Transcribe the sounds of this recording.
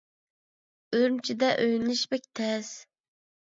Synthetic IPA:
øɾmt͡ʃʰid̪ɛʔøjnlɪʃbɛk̚ʲt̪ʰɛz̥

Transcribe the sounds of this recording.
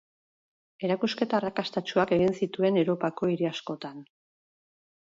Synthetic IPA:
e̞ɾakuske̞t̪aːrakast̪at͡ʃuake̞ɣinsit̪ue̞newɾo̞pako̞iɾiasko̞t̪an

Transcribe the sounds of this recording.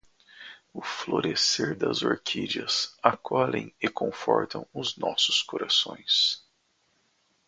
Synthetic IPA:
ʊfloɾeseɾd̪ɐzoɾkʰid͡ʒiɐsakʰɔlẽj̃ɪkʰõfɔɾt̪ɐ̃w̃ʊznɔsʊ̥skoɾasõj̃s

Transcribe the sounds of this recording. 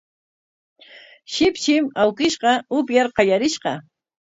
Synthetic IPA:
ʃɪpʃɪmawkɪʃqɑʊpjaɾqɑjaɾɪʃqɑ

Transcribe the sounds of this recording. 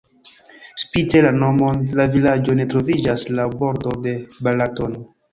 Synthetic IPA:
spite̞lano̞molavilad͡ʒo̞ne̞tɾo̞vid͡ʒaslabo̞ɾdo̞de̞balatono

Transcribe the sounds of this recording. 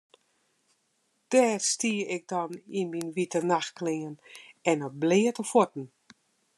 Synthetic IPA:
d̥ɛːrstiəɪk̚dɔninminʋitənaxklɪənɛnɔblɪːətəfotn̩

